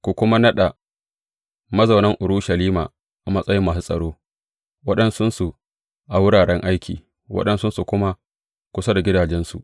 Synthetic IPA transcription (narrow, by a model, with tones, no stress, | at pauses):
kʷu˨kʷʊ˦ma˦nɐ˦ɗa˨ | mɐ˦zɐ˨wnɐ˦ŋʔʊ˨ɽu˦ʃɐ˨liː˦ma̰ː˨ | ʔa˨mɐ˦sʼɐ˦jɪ˦mːaː˨s̬u˦sʼɐ̰˨ɽoː˦ | wɐ˦ɗɐ˦nsʊ˦nsu˨ | ʔa˨wʊ˦ɽaː˨ɽɛ˦ŋʔa˦jkʲḭː˨ | wʔɐ̰˦ɗɐ˦nsʊ˦nsu˨kʷʊ˦ma˦ | kʷʊ˦sa˦da˨ɡʲɪ˦daː˨d͡ʒɛ˦nsṵ˨ʔ